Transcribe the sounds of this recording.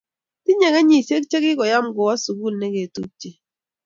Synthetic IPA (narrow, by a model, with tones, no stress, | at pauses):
tɪ˦ɲɛ˨ka˦ɲi˨se˦k̚t͡ʃe˦ɡɪ˦kɔ˨ja˦mɡɔ˨wa˦su˨ɡu˦˨lnɛ˦ɡe˨tu˦k̚t͡ʃi˨